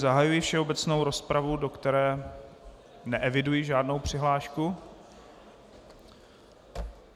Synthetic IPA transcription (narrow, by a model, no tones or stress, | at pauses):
zaɦajujɪfʃɛo̞bɛt͡sno̞wɾo̞spɾavudokt̪ɛɾɛː | nɛʔɛvɪdujɪʒaːdno̞wpr̝̥ɪɦlaːʃku